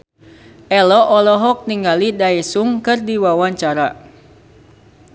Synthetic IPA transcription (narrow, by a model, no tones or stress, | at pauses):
ʔɛlɔʔɔlɔɦɔk̚niŋɡalidaɛsuŋkɨrdiwawaɲt͡ʃaɾa